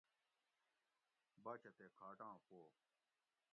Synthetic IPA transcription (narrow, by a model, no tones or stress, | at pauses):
baːt͡ʃʰɐt̪eːkʰaːʈãːpoː